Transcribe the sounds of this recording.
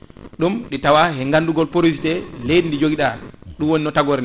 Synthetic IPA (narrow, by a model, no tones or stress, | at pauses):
ɗumɗɛtawaɦɛŋɡanduɡɔlpoɾisitɛlejdindid͡ʒoɡiɗaɗumwoninɔtaɡɔɾnɛ